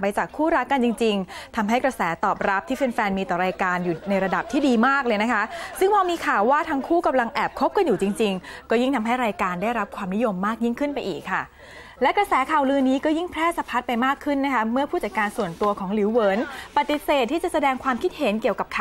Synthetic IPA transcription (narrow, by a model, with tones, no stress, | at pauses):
pa˧jt͡ɕaː˨˩kʰːuː˥˩ɾa˦˥kkːa˧nt͡ɕi˧ŋt͡ɕi˧ŋt̪ʰa˧mɦa˥˩jkɾa˧sɛː˩˦t̪ɔː˨˩p̚ɾa˦˥p̚t̪ʰiː˥˩pe˧nfɛː˧nmiː˧t̪ɔː˨˩ɾaː˧jkaː˧njuː˨˩na˧jɾa˧da˨˩p̚t̪ʰiː˥˩diː˧maː˥˩k̚lɤː˧jna˦˥kʰa˦˥sɯ˥˩ŋpʰɔː˧miː˧kʰaː˨˩wːaː˥˩t̪ʰaː˧ŋkʰuː˥˩ka˧mla˧ŋʔɛː˨˩p̚kʰo˦˥p̚ka˧njuː˨˩t͡ɕi˧ŋt͡ɕi˧ŋkɔː˥˩ji˥˩ŋt̪ʰa˧mɦa˥˩jɾaː˧jkaː˧ndaː˥˩jɾa˦˥p̚kʰwaː˧mni˦˥jo˧mːaː˥˩k̚ji˥˩ŋkʰɯ˥˩npa˧jʔḭː˨˩kʰːa˥˩ | lɛ˦˥kɾa˧sɛː˩˦kʰaː˨˩wlɯː˧niː˦˥kɔː˥˩ji˥˩ŋpʰɾɛː˥˩sa˧pʰa˦˥t̪̚pa˧jmaː˥˩kʰːɯ˥˩nːa˦˥kʰa˦˥mɯ˥˩ɐpʰuː˥˩t̪̚t͡ɕa˨˩kaː˧nsu˨˩ənt̪u˧ɐkʰɔː˩˦ŋliː˩˦wwɤː˩˦npa˨˩t̪ːi˨˩seː˨˩t̪ʰːiː˥˩t͡ɕa˨˩ʔsa˧dɛː˧ŋkʰwaː˧mkʰi˦˥t̪̚he˩˦nki˨˩əwka˨˩p̚kʰa˨